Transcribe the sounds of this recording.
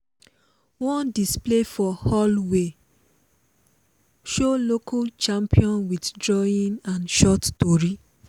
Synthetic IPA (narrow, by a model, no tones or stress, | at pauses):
wɔ̃ndisplefɔhɔlwe | ʃolokʰalt͡ʃãmpʰiɔ̃nwiddɹɔĩnãnʃɔttɔɹi